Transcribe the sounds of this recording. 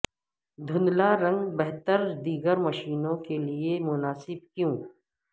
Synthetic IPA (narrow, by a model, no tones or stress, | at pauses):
d̪ʱʊnlaɾɐ̃ŋɡbɛɦt̪əɾd̪iːɡəɾmɐʃiːnõkeliemʊnaːsɪb̚kjũː